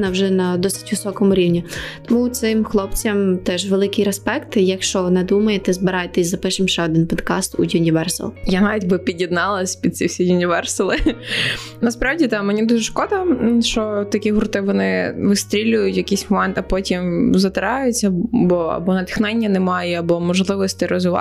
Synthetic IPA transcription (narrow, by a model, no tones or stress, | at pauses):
nɐwʒɛnɐd̪ɔsɪ̥tʲʋɪsɔkɔmʊɾʲiwnʲit̪ɔmut̪sɪmxlˠɔpt͡sʲɐmt̪ɛʒʋelˠɪkɪjɾɛspɛkt̪jɐkʃt͡ʃɔnɛd̪umɐjet̪ɛzbɪɾɑjet̪ɛsʲzɐpɪʃɪmʃt͡ʃɛɔd̪ɪnpɔd̪kɑst̪ujʲʊnʲiʋɛrso̰lˠjanɑʋʲidʲbɪpʲidʲjid̪nɑlˠɐsʲpʲid̪̚t͡sʲiwsʲijʊnʲiʋɛrsʊlˠɪ | nɐspɾɑʋdʲit̪ɑmenʲid̪uʒɛʃkɔd̪ɐʃt͡ʃɔt̪ɐkʲiɦʊɾt̪ɪʋɔnɪʋɪst̪ɾʲilʲʊjʊtʲjɐkijsʲmɔmɛnt̪ɐpɔtʲimzɐt̪ɪɾɑjʊt͡sʲːɐbɔɐ̰bɔnɐt̪ɪ̥xnɛnʲːɐnɛmɑjɛɐbɔmɔʒlˠɪʋɔsʲt̪ɪɾɔzʊʋɑ̰